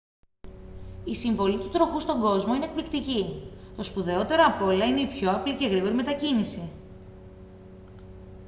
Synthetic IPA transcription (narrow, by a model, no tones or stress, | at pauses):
isiɱvo̞lit̪ut̪ɾo̞xust̪o̞ŋɡo̞zmo̞inek̚plikt̪icit̪o̞spuðe̞o̞t̪e̞ɾo̞ɐpo̞lɐine̞ipço̞ɐplice̞ɣɾiɣo̞ɾime̞t̪ɐcinisi